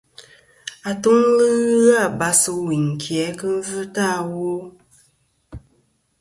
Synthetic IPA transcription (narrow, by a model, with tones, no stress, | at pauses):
a˨tu˦ŋlɨ˦ɣɨ˦ɣa˦˨ba˦sɨ˦wi˨ŋ̩˨kʰjɛ˨˦kɨ˦n˦vɨ˦ta˦˨wo˦